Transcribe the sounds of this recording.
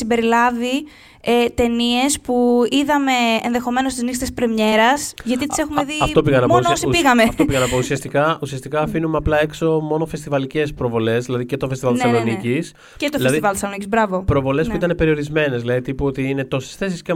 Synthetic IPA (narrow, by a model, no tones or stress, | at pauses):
simbe̞ɾilɐvi | et̪e̞nie̞spuiðɐme̞ːnðe̞xo̞me̞no̞st̪iznist̪e̞spɾemɲe̞ɾɐsʝɐt̪it̪ise̞xumeðiɐtopiɣɐnɐpmonoosipiɣɐmeɐft̪opiɣɐnɐpousiɐst̪ikɐusiɐst̪ikɐːfinumeɐplɐe̞kso̞mo̞no̞fest̪ivɐlice̞spɾo̞vo̞le̞zðilɐðice̞t̪ofest̪ivɐlt̪sɐlonicis | cet̪oilɐsðivɐlt̪sɐlonicizbɾɐvo̞pɾovo̞le̞spuit̪ɐne̞pe̞ɾio̞ɾizme̞nezðilɐðit̪ipuot̪iine̞t̪ose̥sθe̞sisce